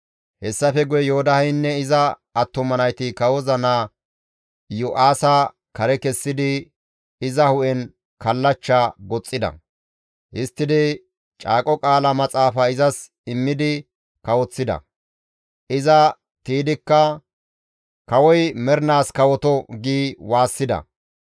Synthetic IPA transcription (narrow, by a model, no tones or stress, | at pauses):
hɛsːɐfɛɡʊjɛjoːd̪ɐhɛjnːɛɪzɐː | t̪ːʊmɐnɐjt̪ɪkɐwɔzɐnaː | jʊʔaːsɐ | kɐɾɛkɛsːɪd̪ɪ | ɪzɐhʊʔɛn | kɐlːɐt͡ʃːaɡɔt͡sʼːɪd̪ɐ̰ | ʔɪst̪ːɪd̪ɪ | t͡ʃʼaːkʼɔkʼaːlɐmɐt͡sʼaːfɐɪzɐs | ɪmːɪd̪ɪ | kɐwɔt͡sːɪd̪ɐ̰ | ʔɪzɐ | t̪iːd̪ɪkːɐ | kɐwɔjmɛɾnaːskɐwɔt̪ɔɡiːwaːsːɪd̪ɐ̰